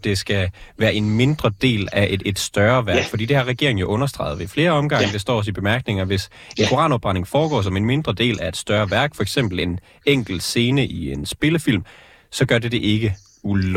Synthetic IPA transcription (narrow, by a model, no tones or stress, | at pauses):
d̥e̝sɡ̥æʋæːɐʔe̝nme̝nd̥ʁɐd̥e̝̰ːlæʔed̥sd̥ɶɐʋæɡ̥fɒ̽d̥ḭːd̥e̝hɑ̈ʁɛɡ̥e̝ɐeŋ̩jo̝ʔɔ̽nɐsd̥ʁɑ̈ɪð̩ˠʋefle̝ːɐɒ̽mɡ̥ɑ̈ŋ̰d̥e̝sd̥ɒ̰ːɒ̽sib̥e̝mæɐɡ̥ne̝ŋɐʋe̝s | enkʰo̝ʁɑ̰̈ːnob̥ʁɑ̈ne̝ŋfɒːɡ̥ɒ̰ːsɒ̽me̝nme̝nd̥ʁɐd̥e̝̰ːlʔæe̝d̥sd̥ɶɐʋæɐɡ̥fɒ̽eɡ̥sem̰b̥l̩e̝n | eŋ̰ɡ̥l̩̥se̝ːnəʔiensb̥e̝ləfil̰m | sɒ̽ɡ̥ɶɐde̝d̥e̝ʔe̝ɡ̥ə | u